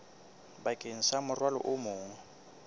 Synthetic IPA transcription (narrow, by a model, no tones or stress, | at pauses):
bakʼen̩samʊrwalɔ̰ʔʊmʊːŋ̩